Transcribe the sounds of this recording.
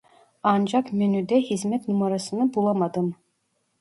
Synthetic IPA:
ɑnd͡ʒɑkmynyd̪ɛhizmɛt̪numaɾasɯnɯbulˠɑmad̪ɯm

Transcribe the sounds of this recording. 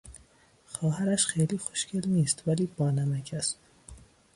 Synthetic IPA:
xɒːɦhæɾæʃxejliːxoʃcʰelniːst̪væliːb̥ɒːnæmæcʰæst̪

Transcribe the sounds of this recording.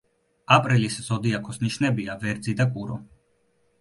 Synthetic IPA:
apʼɾilisz̥ɔd̪iakʰɔsniʃnɛbiavɛɾd̪zid̪akʼuɾɔ̰

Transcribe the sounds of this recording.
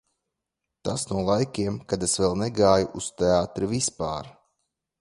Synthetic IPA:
t̪asnuɔlˠajkʲiɛmkad̪esvɛlˠnɛɡaːjuʔust̪eaːt̪ɾɨvispaːɾ

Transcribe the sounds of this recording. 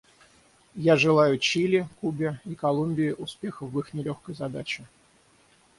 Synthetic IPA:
jaʐɨlˠajʊt͡ɕilʲɪkubʲɪikɐlˠumʲbʲɪɪʔʊspʲe̞xəfvɨxnʲɪlʲoxkəjzɐd̪at͡ɕɪ

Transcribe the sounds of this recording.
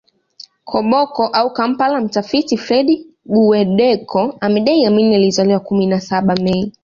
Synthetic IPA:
kʰɔɓɔkɔʔaukam̩palam̩tafitifɾɛɗi | ɓuwɛɗɛkʰɔamɛɗaiaminializaliwakuminasaɓamɛi

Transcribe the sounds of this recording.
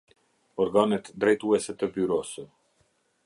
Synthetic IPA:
ɔɾɡanɛt̪d̪ɾɛjt̪uɛsɛt̪əbyɾɔsə

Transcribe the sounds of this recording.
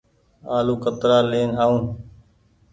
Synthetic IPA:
aːluːkət̪ɾaːleːnɦaːũː

